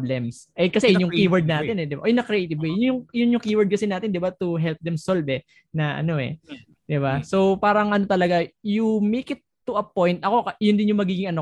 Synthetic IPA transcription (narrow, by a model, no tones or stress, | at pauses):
blɛmsʔɐkɐsɛjnjʊŋkiwɐɹd̪̚naːɪnɛd̪ɪba̰ʔojnɐkɾɪʔejt̪ɪvejʊnjʊŋjʊnjʊŋkiwɐd̪̚kɐsɪnaːt̪ɪnd̪ɪbat̪uɦɛlp̚d̪ɛmsolvɛ | nɐʔɐ̰no̞ʔɛ̰ | d̪̥ɪbaso̞wpaːɾɐŋʔɐno̞t̪ɐlɐɡajumejkɪt̪ːuʔɐpojnt̪̚ʔɐko̞ɐjʊnd̪ɪnjʊŋmɐɡiːɡɪŋɐno